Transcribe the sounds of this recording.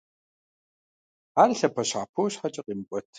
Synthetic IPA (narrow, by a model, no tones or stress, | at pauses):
aːrɬɐpʰɐɕaːpʰowɕħat͡ʃʼɐqʼimkʷʼɔtʰ